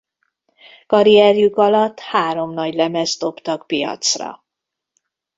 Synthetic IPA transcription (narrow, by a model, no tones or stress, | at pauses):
kɒɾiɛrjukɒlɒt̪ːhaːɾo̞mnɒɟlɛmɛzt̪o̞pt̪ɒkpijɒ̰t̪srɒ̰